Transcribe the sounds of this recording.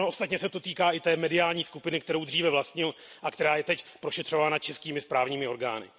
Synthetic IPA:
oʔost̪at̪ɲɛsɛt̪o̞t̪iːkaːʔɪt̪ɛːmɛdɪaːlɲiːskupɪnɪkt̪ɛɾo̞wdriːvɛvlast̪ɲɪlʔakt̪ɛɾaːjɛt̪ɛcpɾo̞ʃɛt̪r̥ovaːnat͡ʃɛskiːmɪspɾaːvɲiːmɪo̞ɾɡa̰ːnɪ̰

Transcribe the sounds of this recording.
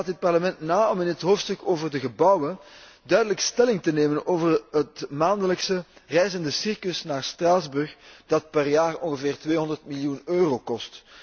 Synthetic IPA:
t̚dɪt̚pɑrləmɛntnaːɔmɪnətɦoːftstɵkoːvərdəɣəbʌwən | dœɥdələkstɛlɪŋtəneːmənoːvərɦətmaːndələksərɛjzəndəsɪrkəsnaːrstraːzbɵrxd̥ɑt̚pɛrjaːrɔ̰nɣəveːrtʋeːɦɔndərtmilijunøːroːkɔst

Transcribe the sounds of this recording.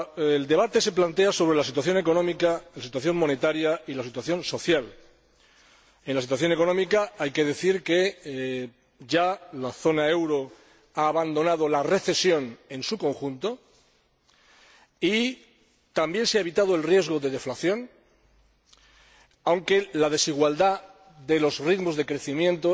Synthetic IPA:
eld̪e̞β̞at̪e̞se̞plant̪e̞aso̞βɾe̞lasit̪waθjo̞ne̞ko̞nõ̞mikalasit̪waθjo̞ŋmõ̞ne̞t̪aɾjailasit̪waθjõ̞nso̞θjal | e̞nlasit̪waθjo̞ne̞ko̞nõ̞mikaajke̞ð̞e̞θiɾke̞ | ʝalaθo̞nae̞wɾo̞ | aːβand̪o̞nað̞o̞lare̞θe̞sjo̞ne̞nsuko̞ŋxunt̪o̞ | i | t̪ambje̞nseaeβ̞it̪að̞oe̞lrje̞zɣo̞ðe̞ðe̞flaθjo̞n | awŋke̞laðe̞siɣ̞wald̪a | ðe̞lo̞zriðmo̞zðe̞kɾe̞θimjẽ̞nt̪o

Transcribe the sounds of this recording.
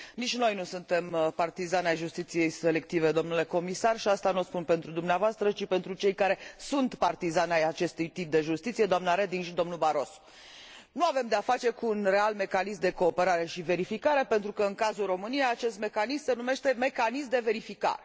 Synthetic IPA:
nit͡ʃʲno̞jnusunt̪e̞mpart̪izanajʒust̪it̪sije̞jse̞le̞k̚t̪ive̞d̪o̞mnule̞ko̞misarʃiast̪anuospunpe̞nt̪ɾud̪umneavoast̪ɾət͡ʃipe̞nt̪ɾut͡ʃe̞jkaɾe̞sunt̪part̪izanajat͡ʃe̞st̪ujt̪ip̚d̪e̞ʒust̪it̪sijed̪oamnaɾe̞d̪iŋɡʃid̪o̞mnulbaɾo̞so̥ | nuave̞md̪e̞afat͡ʃe̞kuːnre̞alme̞kanismd̪e̞ko̞ːpe̞ɾaɾe̞ʃive̞ɾifikaɾe̞pe̞nt̪ɾukəɨŋkazulro̞mɨnijaːt͡ʃe̞st̪me̞kanismse̞nume̞ʃt̪e̞me̞kanismd̪e̞ve̞ɾifika̰ɾe

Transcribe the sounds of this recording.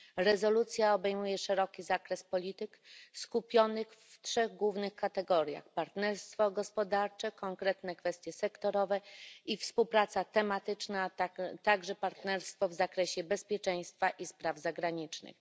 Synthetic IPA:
ɾɛzɔlut̪sʲjaɔbɛjmujɛʂɛɾɔkʲizakɾɛspɔlʲit̪ɘkskupʲjɔnɘxftʂɛɣɡwuvnɘxkat̪ɛɡɔɾja̰xpaɾt̪nɛɾst̪fɔɡɔspɔd̪aɾt͡ʂɛkɔŋkɾɛt̪nɛkfɛst̪jɛsɛkt̪ɔɾɔvɛifspuwpɾat̪sat̪ɛmat̪ɘt͡ʂnat̪at̪aɡʐɛpaɾt̪nɛɾst̪fɔvzakɾɛɕɛbɛspʲjɛt͡ʂɛj̃st̪faʔispɾavzaɡɾaɲit͡ʂnɘ̰x

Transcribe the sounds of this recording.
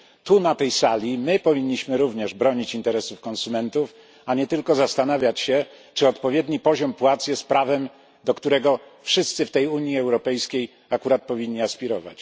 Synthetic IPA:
t̪unat̪ɛjsalʲimɘpɔvʲiɲːiɕmɘɾuvɲɛʐbɾɔɲit͡ɕint̪ɛɾɛsufkɔ̃nsumɛnt̪uf | aɲɛt̪ɘlkɔzast̪anavʲjat͡ɕɕɛ | t͡ʂɘɔt̪pɔvʲjed̪ɲipɔʑɔmpwat̪sjɛst̪̚pɾavɛm | d̪ɔkt̪uɾɛɡɔfʂɘst̪sɘft̪ɛjuɲjiɛwɾɔpɛjskʲej | akuɾat̪̚pɔvʲiɲːiaspʲiɾɔva̰t͡ɕ

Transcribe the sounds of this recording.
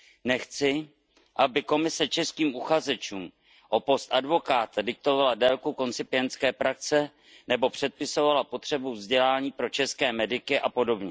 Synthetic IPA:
nɛxt͡sɪ | ʔabɪko̞mɪsɛt͡ʃɛskiːmʔuxazɛt͡ʃuːm | ʔopo̞st̪ʔadvo̞kaːt̪adɪk̚t̪o̞valadɛlkuko̞nt͡sɪpɪɛnt͡skɛːpɾak̚t͡sɛ | nɛbo̞pr̝̥ɛt̪̚pɪso̞valapo̞t̪r̥ɛbuvzɟɛlaːɲiːpɾo̞t͡ʃɛskɛːmɛdɪkɪʔapo̞do̞bɲɛ

